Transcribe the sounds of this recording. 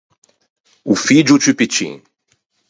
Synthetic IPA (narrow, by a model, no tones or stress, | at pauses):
ufid͡ʒut͡ʃypit͡ʃḭ̃ŋ